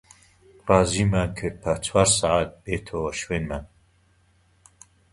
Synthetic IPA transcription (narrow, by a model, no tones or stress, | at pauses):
rɑːzimakʰɨɾ̚pʰat͡sʰwaːɾsaʕat̪̚b̥eːt̪ʰoɐʃweːnman